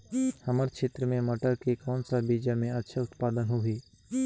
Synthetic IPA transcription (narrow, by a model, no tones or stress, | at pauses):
hɐməɾkʃeːt̪ɾəmẽməʈəɾkekɔːnsabiːd͡ʒamẽɐtːʃʰaʊt̪paːd̪ənɦoɦiː